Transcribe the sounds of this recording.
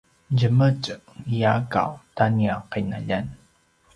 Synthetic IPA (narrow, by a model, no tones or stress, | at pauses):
ɟəmət͡ɕəijaka̰wtaniaqajnaʎan